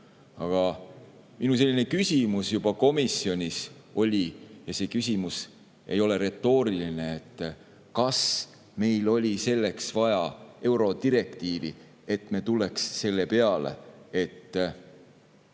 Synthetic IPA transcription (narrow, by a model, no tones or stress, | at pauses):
ɑɡ̥ɑ | minus̬e̞lːine̞kysʲimusjub̥ɑko̞misjo̞nʲiso̞lʲijɑse̞ːkys̬ʲimus | e̞̰jo̞le̞ɾe̞t̪ːˑo̞ːɾiline̞et̪ː | kɑs | me̞jlo̞lʲise̞lːe̞ksvɑjɑe̞wɾo̞d̪̥iɾe̞kt̪iːvḭ | e̞t̪ˑme̞ːt̪ulːe̞ksːe̞lːe̞pe̞ɑle̞̰e̞t̪ː